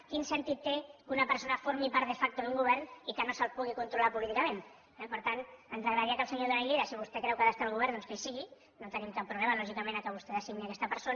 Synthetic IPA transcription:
kinsənt̪it̪ːekunɐpəɾsonɐfoɾmipaɾðəfak̚t̪uðuŋɡuβ̞ɛɾnikənosəlˠpuɣ̞ikunt̪ɾulapulit̪ikəmẽn | ɛpəɾt̪anənzrəɣɾəəɾiakəlˠsəɲoðənaliðasiβ̞ust̪ɛkɾɛwkaðast̪aəlˠɣuβ̞ɛɾnd̪onskesiɣi | not̪ənimkapːɾuβlɛmalɔʒikəmenakəβust̪ɛðəsiɣniakɛst̪əpəɾson

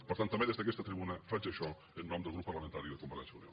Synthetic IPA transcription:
pəɾt̪ant̪ːɐmeðezðək̬ɛst̪ət̪ɾiβunəfad͡ʒəʃɔ | ənːɔmd̪əlˠɣɾupːəɾləmənt̪aɾiðəkumpət̪ɛ̰nsəunio̰

